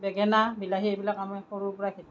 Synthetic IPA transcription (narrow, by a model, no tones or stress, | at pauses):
bɛɡɛnabilaɦiejbilakamajxɔɹuɹpɔɹakʰit